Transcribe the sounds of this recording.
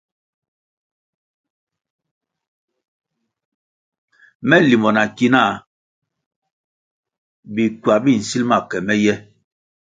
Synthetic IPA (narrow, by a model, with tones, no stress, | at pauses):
mɛ˦li˨mɔ˨na˨ki˦na˦˨ | bi˨kɥa˨bi˦˨n̩˨si˦lma˦˨kɛ˨mɛ˦jɛ˦